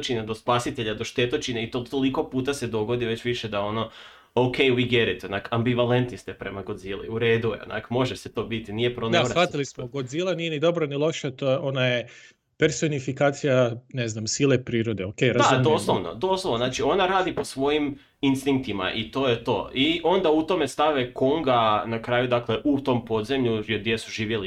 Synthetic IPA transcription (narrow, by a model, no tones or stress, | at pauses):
t͡ʃined̪ospasit̪eʎad̪oʃt̪et̪ot͡ʃineit̪ot̪oliko̞puːt̪ased̪o̞ɡo̞d̪iʋe̞t͡ɕʋiʃed̪ao̞no | okejwiɡeɾit̪onakambiʋalent̪nist̪ɛpɾemaɡo̞d̪zilḭuɾeːd̪ujḛo̰na̰kmo̞ʒeset̪o̞bit̪inijepɾond̪aʋat̪ilismoɡo̞d̪zilˠanijenid̪o̞bɾonilˠo̞ʃat̪ojeʔo̞naje | pe̞ɾso̞nifikaːt̪sijane̞znamsilepɾiːɾod̪e̞okejɾad̪azd̪oslˠoʋno̰d̪oslˠoʋnonaːt͡ʃio̞naɾaːd̪iposʋo̞jim | inst̪iŋk̚t̪ima̰ʔit̪o̞jet̪o̞̰ːiʔo̞nd̪aut̪o̞me̞st̪aʋekoŋɡanakɾaːjud̪akleʔut̪o̞mpo̞d̪zemʎujed̪ʲjesuʒiːʋjeli